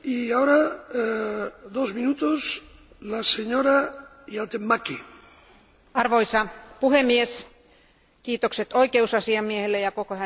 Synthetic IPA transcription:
iaoɾa | ðozmĩnut̪os | laseɲoɾa | jat̪emmaki | ɑrʋoisɑpuhemːies | kiːt̪okset̪oikeusɑsiɑmːiehelːejɑkokohæ

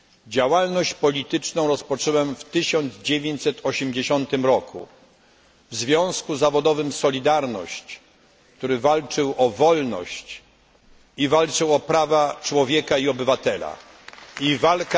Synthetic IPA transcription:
d͡ʑawalnɔɕt͡ɕpɔlʲit̪ɘt͡ʂnɔ̃w̃ɾɔspɔt͡ʂɛwɛmft̪ɘɕɔnd̪zd͡ʑevʲjeɲt͡ɕʲsɛt̪ɔɕɛmd͡ʑeɕɔnt̪ɘmɾɔkʰṵ | vzvʲjɔ̃w̃skuzavɔd̪ɔvɘmsɔlʲid̪aɾnɔ̰ɕt͡ɕ | k̚t̪uɾɘvalt͡ʂɘwɔvɔlnɔ̰ɕt͡ɕ | ivalt͡ʂɨwɔpɾavat͡ʂwɔvʲjɛkaiɔbɘvat̪ɛla̰ | ivalka

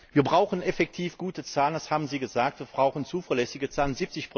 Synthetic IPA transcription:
viːɐbʁaʊxn̩ɛfɛk̚tʰiːfɡ̥uːtət͡saːləndashaːbm̩ziːɡəzaːk̚tv̥iːɐbʁaʊxn̩t͡suːfɐlɛsɪɡət͡saːlənziːp̚t͡sɪçpʁ

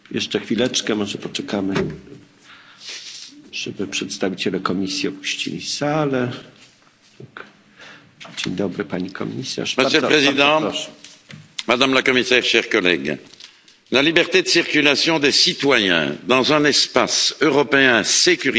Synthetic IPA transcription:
jɛʂt͡ʂɛxfʲilɛt͡ʂkɛmɔʐɛpɔt͡ʂɛkamɘ | ʐ̥ɛbɘpʂɛt̪st̪avʲit͡ɕelɛkɔmʲisʲjiɔpu̥ɕt͡ɕḭlʲḭsalɛ | t̪ak | d͡ʑeɲ̃d̪ɔbɾɘpaɲikʰɔ̰mʲisa̰ʂməsjølpχezid̪ɑ̃ | mad̪amlakɔmisɛʁʃɛʁkɔlɛ̰ɡ | lalibɛʁt̪ed̪əsiʁkʲylasjɔ̃d̪esit̪wajɛ̰̃d̪ɑ̃zɛ̃nɛspasøʁɔpeɛ̃sekʲyʁ

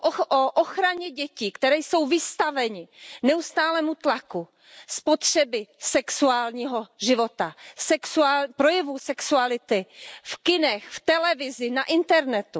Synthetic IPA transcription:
ʔʔoʔoxɾaɲɛɟɛciːkt̪ɛɾɛːjso̞wvɪst̪avɛɲɪnɛust̪aːlɛːmut̪laku | spot̪r̝̥ɛbɪsɛksuaːlɲiːɦoʒɪvo̞t̪asɛksuaːlpɾojɛvusɛksualɪt̪ɪfkɪnɛxft̪ɛlɛvɪzɪnaʔɪnt̪ɛɾnɛt̪u

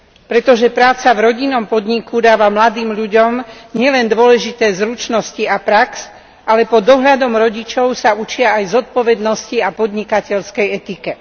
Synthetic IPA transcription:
pɾɛt̪ɔʒɛpɾaːt͡savɾɔɟinɔmpɔd̪ɲikud̪aːʋamlad̪iːmʎuɟɔmɲɪɛlɛnd̪ʊɔlɛʒit̪ɛːzɾut͡ʃnɔsciapɾaks | ʔalɛpɔd̪ːɔɦʎad̪ɔmɾɔɟit͡ʃɔʊsaut͡ʃɪaajzɔt̪̚pɔʋɛd̪nɔsciapɔd̪ɲikacɛʎskɛjɛt̪ikɛ

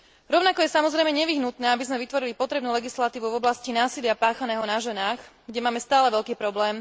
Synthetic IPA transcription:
ɾɔʊnakɔjɛsamɔzɾɛjmɛɲɛʋiɦnut̪nɛːabizmɛʋit̪ʋɔɾilipɔt̪ɾɛbnuːlɛɡislat̪iːʋuvɔblascinaːsilɪapaːxanɛːɦɔnaʒɛnaːxɡɟɛmaːmɛst̪aːlɛʋɛʎkiːpɾɔblɛːm

